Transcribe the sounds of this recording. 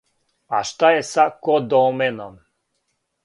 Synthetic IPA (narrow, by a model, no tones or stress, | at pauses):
aʃt̪ajɛsakod̪ɔmɛnom